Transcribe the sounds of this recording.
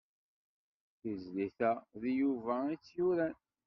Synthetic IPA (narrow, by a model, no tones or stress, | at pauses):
θəzliθæðijuvæit͡sːjuɾæn